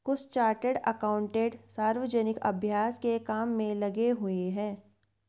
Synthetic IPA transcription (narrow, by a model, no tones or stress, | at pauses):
kʊst͡ʃaːɾʈəɖɐkaːʊ̃ɳʈeːɖsaːɾʋəd͡ʒɛnɪkɐ̰bʱjaːskekaːmːẽlɐɡeɦʊeɦɛ̃ː